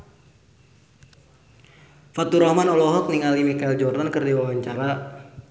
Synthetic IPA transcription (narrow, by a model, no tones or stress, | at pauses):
fat̪uɾɔhmanɔlɔɦɔk̚niŋalimikaild͡ʒɔrdankɨrdiwawaɲt͡ʃaɾa